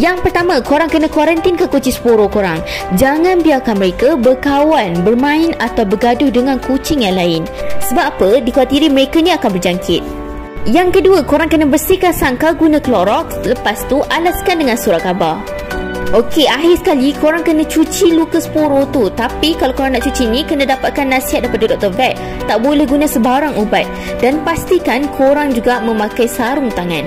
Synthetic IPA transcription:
jaŋpərt̪amãkoɾaŋkənə̃kwaɾənt̪inkakot͡ʃisə̥poɾokoɾaŋd͡ʒaŋãnbiarkanməɾekabərkawanbərmãɪnat̪awbəɡadʊhdəŋãnkut͡ʃɪŋjaŋlaɪnsəbapədikwat̪iɾiməɾekanĩakanbərd͡ʒaŋkʰɪt̪̚ | jaŋkəduəkoɾaŋkənə̃bərsikasaŋkaɡunãkəloʔɾɔk̚ləpast̪uʔalaskandəŋãnsuɾaʔ̚aba̰ | ʔokeʔaɦɪsə̥kalikoɾaŋkənãt͡ʃut͡ʃilukəspoɾot̪ut̪apikalokoɾaŋnaʔt͡ʃut͡ʃinikənãdapat̪̚kanːasiɦat̪̚dajpadadɔk̚t̪əvɛt̪̚ | t̪aʔbolɛhɡunasəbaɾaŋubat̪̚ | danpast̪ikankʰoɾaŋd͡ʒuɡamə̃makajsaɾʊŋt̪aŋãn

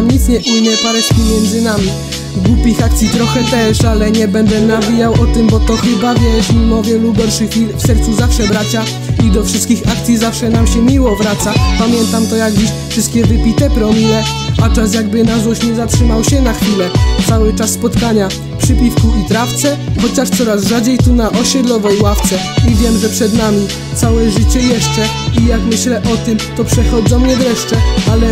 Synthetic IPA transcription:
mɲit̪sɲɛʔinnːɛpaɾɛʂkʲimʲjɛnd̪zɘnamʲi | ɡwupʲixak̚t̪sʲjit̪ɾɔxɛt̪ɛʂalɛɲɛbɛnd̪ɛnavʲijawɔt̪ɪmbɔt̪ɔxɘbavʲjɛʂmʲimɔvʲjɛluɡɔɾʂɘxʲilfsɛɾt̪suzafʂɛbɾat͡ɕa | id̪ɔfʂɘst̪kʲixakt̪sʲjizafʂɛnamɕɛmʲiwɔvɾat̪sapamʲjɛnt̪amt̪ɔjaɡd͡ʑiɕfʂɨst̪̚kʲɛvɘpʲit̪ɛpɾɔmijɛ | at͡ʂas̬jaɡbɘnaznɔɕɲɛzatʂɘmawɕɛnaxfʲilɛt̪sawɘt͡ʂasːpɔt̪kaɲa | pʂɘpʲifkuit̪ɾaft̪sɛxɔt͡ɕaʂt̪sɔɾasʐad͡ʑejt̪unaʔɔɕɛd̪lɔvɛjwaft̪sɛivʲjɛmʐɛpʂɛd̪namʲi | t̪sawɛʐɘt͡ɕɛjɛʂt͡ʂɛ | ijakmɘɕlɛʔɔt̪ɘmt̪ɔpʂɛxɔd̪zɔ̃mɲɛvɾɛʂt͡ʂɛalɛ

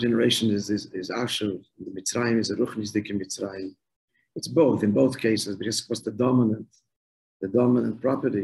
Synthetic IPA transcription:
d͡ʒɛnəɾeɪʃnɪzɪzɪza̰ʃəvɪndɪmɪt͡sɾaɪɪmɪzaɾʊχnɪsdɪkɪnmɪt͡sɾaɪɪm | ɪtsboʊθɪnboʊθkʰeɪsɪsdɪɡɛskvɔsðədɔmɪnə̃nt | ðədɔmɪnə̃nt̚pɾɔpəɾti

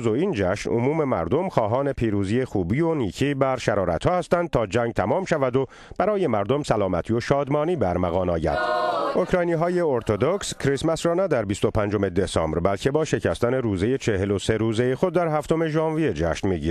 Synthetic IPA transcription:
zoiːnd͡ʒæʃnʔo̰muːme̞mæ̰ɾd̪o̞mxɒːɦɒːne̞pʰiːɾuːziːjexuːbiːoniːcʰiːbæɾʃæɾɒːɾæ̰t̪hɒːhæst̪ænd̪̚t̪ʰɒːd͡ʒæŋɟ̚t̪ʰæmɒːmʃævæd̪o | b̥æɾɒːje̞mæɾd̪o̞msælɒːmæt̪ʰio̞ʃɒːd̪mɒːniːbæɾmæɣɒːnɒːjæ̰d̪̥ʔo̞kɾɒːjniːɦɒːje̞oɾt̪ʰod̪okscʰɾismæsɾɒːnæd̪æɾbist̪o̞pʰænd͡ʒo̞me̞d̪esɒ̰ːmbɾbælcʰe̞bɒːʃe̞cʰæst̪æne̞ɾuːze̞jet͡ʃʰe̞he̞lo̞seɾuːzejexo̞d̪̚ːæɾɦæft̪o̞me̞ʒɒːnvijed͡ʒæ̰ʃnmiːɟiːɾ

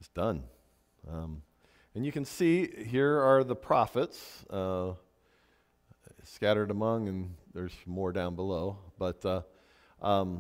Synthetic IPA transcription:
ɨsd̥ʌ̃n | ʌ̃m | ɨ̃njɨkɨ̃n̩siɦiɹə˞ðəpʰɹ̥ɑfəts | skæɾə˞ɾəmʌ̃ŋɨ̃nðə˞z̥mɔɹdãʊ̃nbəloʊb̥ʌt | ʔʌ̃m

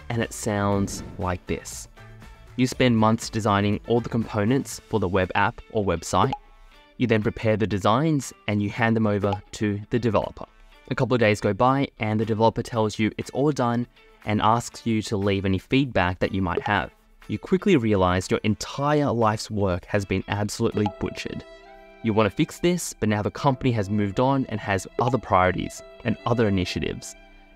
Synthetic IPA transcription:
ɨ̃nɨ̰tsãʊ̃ndz̥laɪk̚ðɪ̰s | jɨspɛ̃nmʌ̃nθsd̥ɨzãɪ̃nɪ̃ŋʔɔlˠðəkʰm̩pʰõʊ̃nɨ̃ntsfə˞ðəwɛbæ̰pʔə˞wɛb̥sa̰ɪt̚ | jɨðɨ̃npʰɹ̥ɨpʰɛɹðɨdɨzãɪ̃nz̥ɨ̃njɨhæ̃nðɨ̃moʊvə˞ɾɨðɨdɨvɛ̰lˠə̰pʰə̰˞ | ʔɨkʰʌpl̩ˠʌvdeɪzɡoʊbaɪʔɨ̃nðɨdɨvɛlˠəpə˞tʰɛlˠzjɨʔɨtsɔlˠdʌ̃n | ʔɨ̃nʔæsksjɨɾəlivɛnifid̚bæk̚ðɨt͡ʃɨma̰ɪt̚hɨ̰v̥ | jɨkʰw̥ɪkliɹiɨlaɪzjə˞ʔɨ̃ntʰaɪə˞laɪfswɜ˞khɨzbɨ̃næ̰b̥səlʉʔˡlib̥ʊ̰t͡ʃɨ̰d̥ | jɨwɑ̃ntʰɨfɪksðɪsb̥ʌtⁿnaʊðɨkʰʌ̃mpəniɨzmʉvdn̩ɨ̰̃nɨzʔʌðə˞pʰɹ̥aɪɔɹɨɾḭz̥ʔɨ̃nʌðə˞ɨnɪʃɨɾɪ̰vz̥

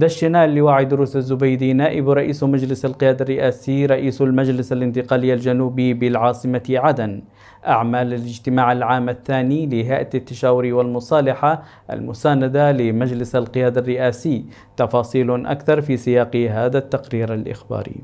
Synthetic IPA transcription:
d̪aʃːɪnaːlːɪwaːʕid̪ʊɾuːsazːʊbajd̪inaːʔɪbɾˤɑʔiːsmad͡ʒlɪsalqɪjaːd̪arˤːɪʔaːsiːɾˤɑʔiːsalmad͡ʒlɪsalɪnt̪ɪqɑːlɪjːald͡ʒanuːbibɪlʕɑːsˤɨmaʕad̪an | ʔaʕmaːlalɪd͡ʒt̪ɪmaːʕalʕaːmaθːaːnilɪɦaːʔat̪at̪ːaʃaːwʊɾiwalmʊsˤɑːlɪħa | ʔa̰lmʊsaːnad̪alɪmad͡ʒlɪsalqɪjaːd̪arːɪʔaːsɪjː | t̪ɑfɑːsˤiːlʔa̰kθɑɾˤfiːsɪjɑːqɦaːðat̪ːaqɾiːɾalʔɪ̰xba̰ːɾḭ

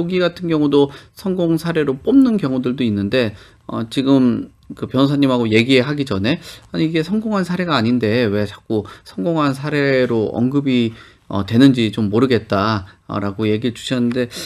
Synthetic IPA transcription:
oɡiɡatʰɯnɡjʌŋudosʰʌŋɡoŋsʰaɾe̞ɾop͈omnɯnkjʌŋudɯɭdoinːɯnde̞ | ʌt͡ɕiɡɯm | kɯpjʌns̬ʰaɲːimɦaɡoje̞ɡieɦaɡid͡ʑʌne̞aɲiiɡe̞sʰʌŋɡoŋɦansʰaɾe̞ɡaːɲinde̞we̞t͡ɕḁk͈usʰʌŋɡoŋɦansʰaɾe̞ɾoʌŋɡɯbi | ʌ̰twe̞nɯnd͡ʑit͡ɕomːoɾɯɡe̞t̚t͈a̰ɾaɡoje̞ɡiɭt͡ɕu̥ɕʰʌnːɯnde̞

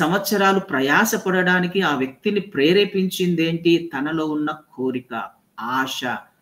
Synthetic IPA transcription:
sɐmʋɐt̪sɐɾaːlupɾɐjaːʃɐpɐɽɐɽaːnikiaːʋjɐk̚t̪inipɾeːɾeːpiɲt͡ʃind̪e̞ːɳʈit̪ɐnɐlo̞ːunːɐkʰoːɾikɐ̰ | aːʂɐ

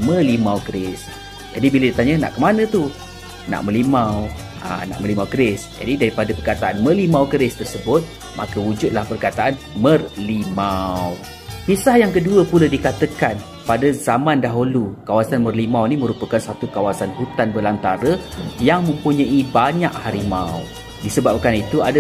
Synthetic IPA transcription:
mə̃limawkəɾɪs | d͡ʒadibiladit̪aɲana̰ʔkəmanə̃t̪u | na̰ʔmə̃limaw | a̰na̰ʔmə̃limawkəɾɪsd͡ʒa̰didaɾipadapərkat̪aʔanmə̃limawkəɾɪst̪ərsəbʊt̪̚ | ma̰kəud͡ʒʊd̪̚lahpərkat̪aʔan | mərlimaw | kisahjaŋkəduəpuladikat̪əkan | padazamãndaɦulukawasanmərlimawnimə̃ɾupəkansat̪ukawasanhut̪anbəlant̪aɾəjaŋmə̃mpuɲaibaɲaʔhaɾimaw | disəbap̚kanit̪uadə

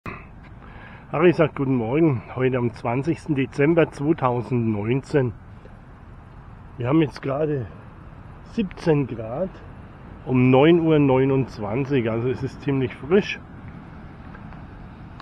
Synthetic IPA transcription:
haʁizaːk̚t̚ɡ̥uːtn̩mɔɐɡŋ̩hɔʏtəamt͡sv̥ant͡sɪçstn̩det͡sɛmbɐt͡sv̥oːtʰaʊzn̩tnɔʏnt͡seːn | viːɐhaːbmjɛt͡stɡ̥ʁaːdə | z̥iːpt͡senɡʁaːt | ʔʊmnɔʏnuːɐnɔʏnʊnt͡sv̥ant͡sɪçʔalzoɛsɪstt͡siːmlɪçfʁɪʃ

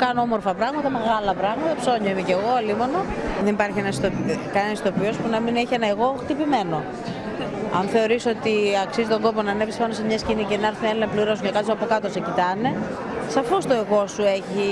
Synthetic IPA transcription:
kɐnoomo̞ɾfɐpɾɐɣmɐt̪ɐme̞ɣɐlɐpɾɐɣmɐt̪ɐpso̞ɲɐimeceɣo̞olimonoðenipɐɾçienɐst̪okɐnist̪o̞pio̞spunɐmineçienɐeɣo̞xt̪ipime̞no̞ | ɐ̰nθe̞o̞ɾiso̞t̪iɐksizit̪oŋɡo̞po̞nɐnepispɐnosemɲɐscinicenɐɾθinelinɐpliɾosocɐkɐt͡soɐpo̞kɐt̪o̞se̞cit̪ɐne̞ | sɐfo̞st̪o̞eɣo̞sue̞çi

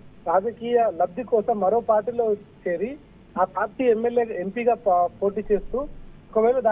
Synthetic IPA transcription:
ɾaːd͡ʒɐkiːjɐlɐbd̪ikɔːsɐmːɐɾo̞ːpaːɾʈiːlo̞ːt͡ʃeːɾi | aːpaːɾʈiːemːeljeːempiɡaːpoːʈ̬iːt͡ʃe̞ːst̪uːɔkɐʋeːlɐd̪aː

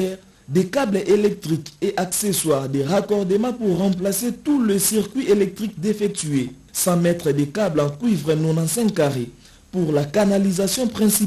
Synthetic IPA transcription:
ɛʁ | d̪ekablʔelɛk̚t̪ʁikeʔakseswaʁd̪eʁakɔʁd̪emɑ̃puʁːɑ̃p̬laset̪uləsiʁkɥielɛk̚t̪χik̚d̪efɛk̚t̪ye | sɑ̃mɛt̪χəd̪ekablɑ̃kwivʁənɔ̃nɑ̃sɛ̃kkːaʁe | puʁlakanalizasjɔ̃pχɛ̃si

